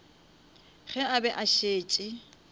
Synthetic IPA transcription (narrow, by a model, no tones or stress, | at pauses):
χɛabɛʔaʃeːt͡ʃʼɪ